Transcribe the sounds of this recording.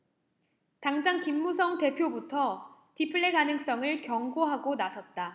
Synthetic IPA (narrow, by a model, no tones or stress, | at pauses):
taŋd͡ʑaŋkimːusʰʌŋte̞pʰjobutʰʌ | tipʰɯɭːeɡanɯŋs͈ʌŋɯɭkjʌŋɡoɦaɡonasʰʌt̚t͈a